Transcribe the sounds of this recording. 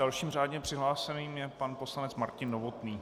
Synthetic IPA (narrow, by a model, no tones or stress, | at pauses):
alʃiːmraːdɲɛpr̝̥ɪɦlaːsɛniːmjɛpanposlanɛt͡smaɾcɪnːovot̪niː